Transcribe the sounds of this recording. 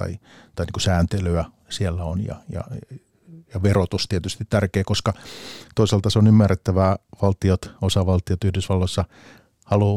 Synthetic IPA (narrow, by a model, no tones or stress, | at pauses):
t̪ɑ̰i | t̪ɑiniːkusæːnt̪elyæ | sielːæonjɑ̰jɑ̰ | jɑʋerot̪ust̪iet̪yst̪it̪t̪ærkeːkoskɑt̪oisɑlt̪ɑseonymːæret̪ːæʋæʋɑlt̪iot̪osɑʋɑlt̪iot̪yhdysʋɑlːoisːɑ | hɑlu